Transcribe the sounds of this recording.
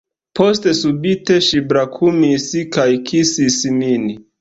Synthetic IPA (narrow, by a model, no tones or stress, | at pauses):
pʰo̞ste̞subiteʃibɾakʰumisikajkʰisisimini